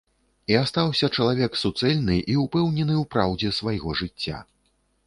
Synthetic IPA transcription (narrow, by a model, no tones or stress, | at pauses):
iast̪awsʲɐt͡ʂɐlˠavʲɛksut̪sɛlʲnɨʔiupɛwnʲɛnɨwpɾawd͡zʲɛsvajɣɔʐɨt͡sʲːa̰